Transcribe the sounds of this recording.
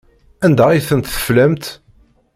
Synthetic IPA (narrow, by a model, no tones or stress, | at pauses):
ænd̪æiθənt̪θə̥flæmt̪